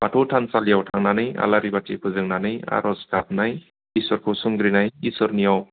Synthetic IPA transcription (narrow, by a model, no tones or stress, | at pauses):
baʈʰoʈʰansalijawʈʰaŋnanɯja̰laɾibatʰipʰɯzɯŋnanɯja̰ɾɔskat̪̚naj | iswɔɾkʰosuŋɡɾinajisɔɾnijaw